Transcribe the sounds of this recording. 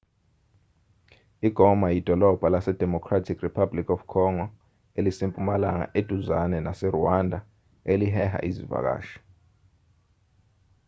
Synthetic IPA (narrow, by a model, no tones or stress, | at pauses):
iɡ̥ʱɔmajid̥ʱɔlɔb̥ʱalasɛd̥ʱɛmɔkʰratʰikripʰablikʰɔfkʰɔŋɔ | elisimpʼumalaŋa̰ʔed̥ʱuzanɛnasɛruwandʱa | eliɦɛha̰ʔizḭva̰k̬a̰ːʃɔ̥